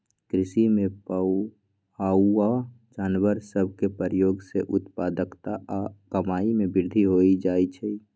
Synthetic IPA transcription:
kɾɪsimepa | aua | d͡ʒanʋəɾsəbʱkepəɾjoɡseʔʊt̪pad̪əkt̪aʔakəmaimebɪɾd̪ʱiɦoid͡ʒajt͡ʃʰɛ

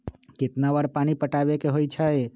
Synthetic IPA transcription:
kɪt̪naʋaɾpanipəʈabekeɦojt͡ʃʰəe

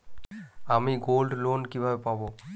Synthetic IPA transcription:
amiɡolɖlonkibʱabepabo

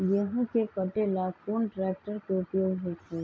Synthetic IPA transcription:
jəɦə̃kekəʈelaːkoːnʈɾeːk̚ʈəɾkeʊpjoːɡɦote

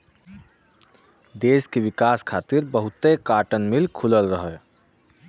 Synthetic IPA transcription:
d̪eːskeʋikaskʰaːt̪iɾbəɦut̪ekaʈənmilkʰuləlɾəɦə

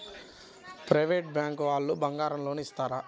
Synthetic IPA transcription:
pɾɐjʋeːʈ̚bjaːŋkʋaːlːubɐŋɡaːɾɐmlo̞ːnuist̪aːɾaː

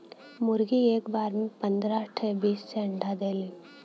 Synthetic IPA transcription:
mʊɾɡieːkbaːɾmẽpɐ̃nd̪ɾaʈʰebiːsːeɐ̃ɳɖʱad̪eːliː

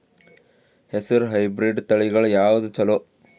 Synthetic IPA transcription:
hesiɾuɦɐjbɾiɖt̪ɐɭiɡɐɭujaːʋud̪ut͡ʃɐlo

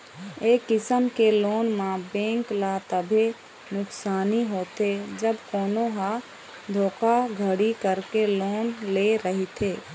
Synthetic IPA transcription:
eːkːɪsəmkeloːnmãbẽːŋklat̪əbʱe | nʊksaːniɦoːt̪ed͡ʒəbkoːnoɦa | d̪ʱoːkaɡʱəɽikəɾkeloːnleɾəɦit̪ʰeː

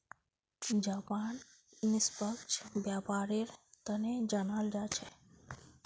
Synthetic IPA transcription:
d͡ʒaːpaːn | nɪspəkt͡ʃʰbjaːpaːɾeɾt̪əned͡ʒanald͡ʒat͡ʃʰe

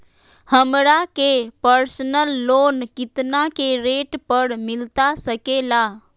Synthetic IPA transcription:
həmɾakepəɾsənəlːonkit̪nakeɾeʈpəɾmɪlt̪asəkela

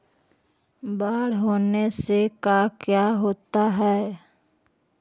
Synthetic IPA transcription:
baːɽ̤ɦoːnesekaːkjaɦoːt̪aɦɛː

